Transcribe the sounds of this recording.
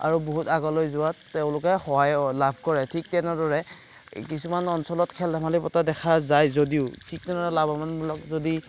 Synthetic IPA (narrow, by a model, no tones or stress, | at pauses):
a̰ɹuboɦutaɡɔlojzʊwattɛʊ̃lʊkɛxɔɦajlabʱkɔɹɛtʰik̚tɛnɛdɔɹɛ | kisumanɔnsɔlɔtkʰɛldʱamalipɔtadɛxʰazajzodiʊtʰik̚tɛnɛɹɛlabʱɔmanmulɔk̚zodi